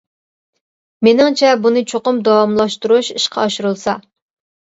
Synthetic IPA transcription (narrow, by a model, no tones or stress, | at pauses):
menɪŋt͡ʃʰɛbunɨt͡ʃʰoqʊmd̪ɑwɑmlˠɑʃt̪uɾuʃiʃqʰɑːʃuɾulˠsɑ